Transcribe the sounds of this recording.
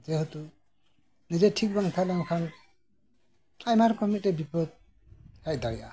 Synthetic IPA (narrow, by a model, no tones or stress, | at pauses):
d͡ʒɛɦɔt̪u | nizɛtʰik̚baŋt̪ʰalaŋkʰan | ajmaɾkɔmitɛbipɔd̪̚ | hajd̪aɾija